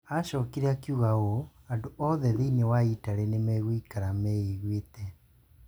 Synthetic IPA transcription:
aʃɔːkiɾeakjuɣaɣo | andoʔɔðɛðeinɛwaitaɾenemɛɣwikaɾamɛiɣwetɛ

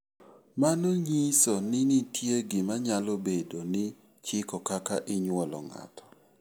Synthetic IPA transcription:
manoɲisonɪnɪtʰjeɡɪmaɲalobedonɪ | t͡ʃɪkɔkakaʔɪɲwɔlɔ̰ŋa̰tʰɔ̥

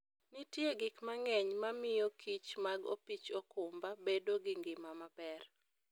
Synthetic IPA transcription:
nɪtjeɡɪkmaŋɛɲmamɪjokʰit͡ʃmaɡo̰pit͡ʃokʊmbabedoɡɪŋɡɪmamapɛr

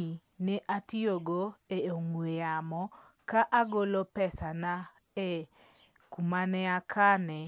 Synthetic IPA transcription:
nɛʔatioɡoeoŋwejamɔ | kaʔaɡolopɛsana | e | kumanɛakʰanɛ

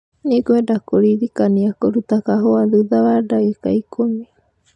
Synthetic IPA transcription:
nikuedakoɾidikaniakoɾut̪akaɦoaðɨðaβadaekaikʰomi

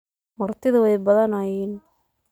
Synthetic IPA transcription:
mɐrt̪ʰɪðɐwɛjbɐðɐnajiːn

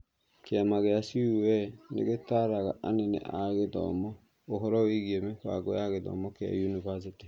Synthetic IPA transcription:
keamaɣeasiuwɛnḛɣetaɾaɣa̰anɛnɛ̰ʔaɣeðɔ̰mɔ | oɦɔɾɔwiɣiemekwa̰ɡɔjaɣeðɔ̰mɔkea̰junivas̬iti

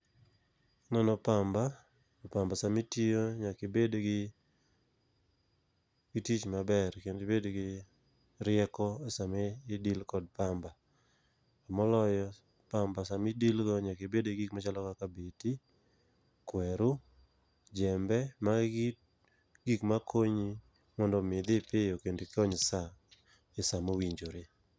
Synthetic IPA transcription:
nɔnɔpamba | ɔpambasamitijoɲakɪbedoɡɪ | ɡitit͡ʃmabɛrkenɪbedoɡɪ | ɾɪɛkɔasameːdilkɔd̚pamba | amɔlɔjɔ | pambasamidilɡɔɲakebedoɡikmat͡ʃalɔkakabeti | kwɛɾu | d͡ʒɛmbɛmaɡi | ɡikmakʰoɲi | mɔndɔmɪd̪ɪpɪjokendekɔɲsa | ɪsamowiɲd͡ʒoɾe

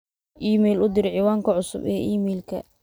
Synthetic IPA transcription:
ʔiːmɛːlʊd̪ɪɾʕiːwaːŋkʰɐʕʊsʊ̰bɛːʔiːmɛjlkʰɐ̰

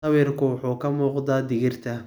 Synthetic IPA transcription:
ɐwiːrkʰʊwʊħuːkʰɐmuːqd̪aːd̪ɪɣɪrt̪ʰɐ

